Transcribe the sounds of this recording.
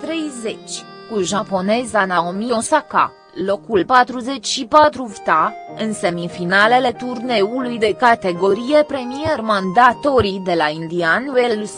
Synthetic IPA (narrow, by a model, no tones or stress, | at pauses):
t̪ɾe̞jze̞t͡ʃʲ | kuʒapo̞ne̞zanaomio̞saka̰ | lo̞kulpat̪ɾuze̞t͡ʃʲʃipat̪ɾuvt̪aɨnse̞mifinale̞le̞t̪urne̞ulujd̪e̞kat̪e̞ɡo̞ɾije̞pɾe̞miermand̪at̪oɾid̪e̞laind̪ianwel